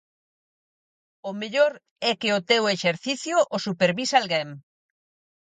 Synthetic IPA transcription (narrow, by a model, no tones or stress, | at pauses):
ʊmeʎoɾ | ɛkɪʊt̪eweʃeɾθiθjʊʔːsupeɾβisalɣɛm